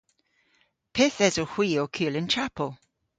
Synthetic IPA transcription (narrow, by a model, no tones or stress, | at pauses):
pʰɪθɛzohw̥iːokʰʉːlˠɪnt͡ʃʰapʰəlˠ